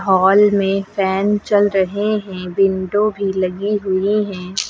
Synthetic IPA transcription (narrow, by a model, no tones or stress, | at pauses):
ɦɔːlmẽfʰɛːnt͡ʃɐlɾɐɦeɦɛ̃bɪ̃ɳɖõbʱilɐɡiɦʊiɦɛ̃ː